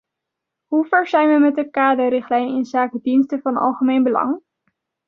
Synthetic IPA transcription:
ɦuvɛɹzɛjnʋəmɛt̚dəkaːdəɾɪχtlɛjnɪnzaːkədinstəvɑnɑ̰lˠχəmejnbəlɑ̰ŋ

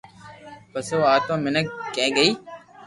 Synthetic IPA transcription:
pəsoːaːt̪õːmɪnək̚kːẽːɡəiː

